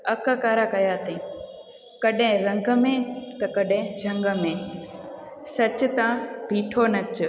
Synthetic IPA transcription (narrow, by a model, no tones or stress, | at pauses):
ɐkəkaːɾakɐjaːt̪ẽ | kɐɗẽɾɐ̃ŋɡəmẽt̪ɐkɐɗẽd͡ʑʱɐ̃ŋɡəmẽ | sɐt͡ɕʊ̆t̪ãbʱiːʈʰonɐt͡ɕʰʊ